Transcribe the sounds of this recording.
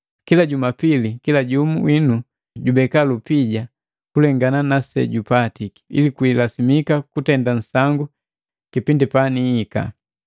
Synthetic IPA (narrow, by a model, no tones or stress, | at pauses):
kilaɟumapilikilaɟumuwinu | ɟubɛkalupiɟa | kulɛŋɡananasɛ̰ɟupatiki̥ḭlikuilasimikakutɛndan̩saŋɡu | kipindipaniːka̰